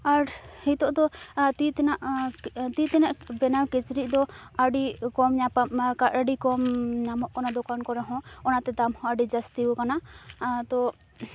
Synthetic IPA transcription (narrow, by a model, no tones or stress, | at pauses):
aɾhit̪ɔʔd̪ɔt̪it̪ɛnaʔt̪it̪ɛnaʔbɛnawkɛt͡ʃɾiʔ̚d̪ɔaɖikɔmɲapakaʔaɖikɔmɲamɔʔkanad̪ɔkankɔɾɛɦɔ̃ɔnat̪ɛd̪amhɔ̃aɖid͡ʒast̪iɔkanat̪ɔ